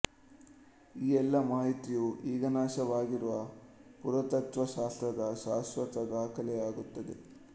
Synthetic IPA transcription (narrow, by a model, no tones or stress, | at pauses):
iːɛlːɐmaːɦit̪ijuʔiːɡɐnaːʃɐʋaːɡiɾuʋɐpuɾɐt̪ɐt̪ʋɐʃaːst̪ɾɐd̪ɐʃaːsʋɐt̪ɐd̪aːkʰɐlɛaːɡut̪ːɐd̪ḛ